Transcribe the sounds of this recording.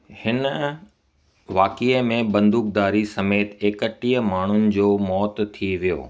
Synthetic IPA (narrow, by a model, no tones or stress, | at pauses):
hɪn | ʋaːkimẽbɐ̃nd̪uːk̚d̪aːɾisɐmeːt̪eːkəʈiːjəmaːɳ̤ʊnɪ̆d͡ʑoːmɔːt̪ʰːiʋijo̰ː